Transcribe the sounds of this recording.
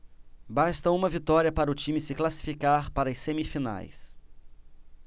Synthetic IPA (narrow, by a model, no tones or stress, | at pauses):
bast̪ɐũmɐvit̪ɔɾiɐpaɾɐʊt͡ʃĩmɪsɪklasi̥fikaɾpaɾɐɐsẽmifina̰js